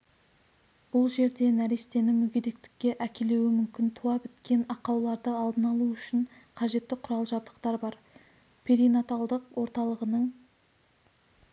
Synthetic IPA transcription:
b̥ʊlˠʒe̞ɾd̪e̞næɾist̪e̞nɪmʏɡʲeɾe̞k̚t̪ɪ̥kʲːe̞ʔækʲe̞le̞wɪmʏmkʲɪnt̪ʰuɑbɪt̪kʲe̞nɑqɑwlˠɑɾd̪əɑlˠd̪ənɑlˠuʏʃɪɴ | qʰɑʒe̞t̪ːɪqʰʊɾɑlˠəʒɑb̚d̪əqt̪ɑɾbɑɾ | pʲʰeɾijnat̪alˠd̪əqwʔo̞ɾt̪ɑlˠəʁənəɴ

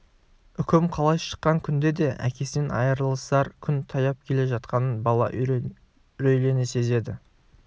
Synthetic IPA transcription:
ʏkʲɪmqʰɑlˠɑjʃə̥qːɑŋkʲʰʏnd̪e̞d̪e̞ʔæ̰kʲʰe̞snenɑ̰jəɾəlˠəst̪ɑɾkʲʰʏnt̪ʰɑjɑp̚kʲʰe̞le̞ʒɑt̪̚qɑnənbɑlˠɑ̰ʔ | ɾɵjle̞nese̞ze̞d̪ɪ

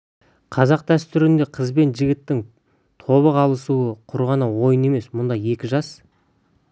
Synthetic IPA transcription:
qʰɑzɑq̚d̪̥æst̪ʏɾɪnd̪e̞qʰəzbe̞nʒɪɡʲɪt̪ːɪŋ | t̪ʰo̞βəqɑlˠəsuəqʰʊɾʁɑnəwo̞jəne̞me̞smʊnd̪ɑje̞kʲɪʒɑs

